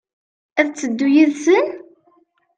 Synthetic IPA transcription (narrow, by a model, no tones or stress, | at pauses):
æðt͡sːəd̪ːujiðsən